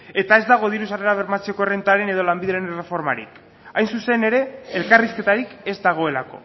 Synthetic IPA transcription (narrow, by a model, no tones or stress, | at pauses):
e̞t̪ae̞zd̪aɣ̞o̞ðiɾusare̞ɾaβ̞e̞ɾmat͡se̞ko̞ere̞nt̪aɾe̞ne̞ð̞o̞lambiðɾaɾenre̞fo̞ɾma̰ɾḭk | ajnsuse̞ne̞ɾe̞ːlkariske̞t̪aɾike̞zd̪aɣ̞o̞e̞lako̞̰